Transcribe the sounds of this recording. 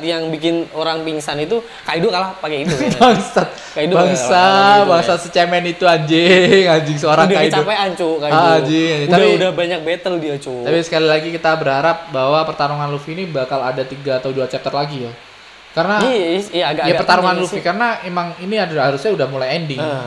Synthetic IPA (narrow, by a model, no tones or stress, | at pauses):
jaŋbikɪnoɾaŋpiŋsanit̪u | kajdokalahpakɛitubaŋstat̪̚ | kaidbaŋsabaŋsasət͡ʃɛmɛnit̪uaɲd͡ʒɪŋad͡ʒɪŋsəoɾaŋdkait͡ʃadopajaɲt͡ʃukaiad͡ʒɪŋaɲd͡ʒɪŋadpiudahbaɲak̚bet̪əldiat͡ʃut̪apisə̥kalilaɡikit̪abəɾɦaɾap̚baɦwapərt̪aɾuŋanlufiːnibakaladat̪iɡaːt̪awduat͡ʃap̚t̪ərlaɡija | kaɾənajaɡajapərt̪aɾuŋanlufikarənaemaŋiniadɦaɾusɲaudahmulajɛndɪŋ